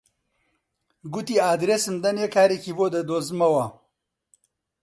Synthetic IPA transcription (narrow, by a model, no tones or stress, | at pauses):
ɡut̪iaːd̪ɾesɨmd̪ɐnekaːɾekiboːd̪ɐd̪oːzmɐwɐ